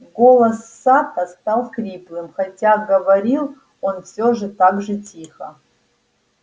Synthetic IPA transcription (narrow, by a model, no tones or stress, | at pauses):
ɡo̞lˠɐsːat̪ɐst̪alˠkɾʲiplˠɨmxɐtʲaɡɐvɐɾʲilˠ | onfsʲoʐɨt̪aɡʐɨtʲixə